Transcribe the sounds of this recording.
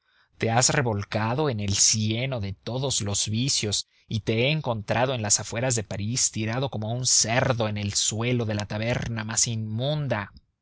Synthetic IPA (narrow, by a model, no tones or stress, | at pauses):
t̪e̞azre̞βo̞lkaðo̞e̞ne̞lsje̞no̞ðe̞t̪o̞ðo̞z̥lo̞z̥βisjo̞s | it̪e̞eːŋko̞nt̪ɾʔað̞o̞e̞nlasafwe̞ɾazðe̞paɾist̪iɾaðo̞ko̞mounse̞ɾðo̞e̞ne̞lswe̞lo̞ðe̞lat̪aβe̞ɾnamasimmũnd̪a